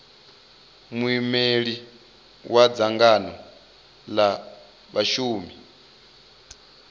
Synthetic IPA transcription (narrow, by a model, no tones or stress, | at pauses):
muimeɺi | wad͡zaŋɡanɔ | la | βaʃuːmi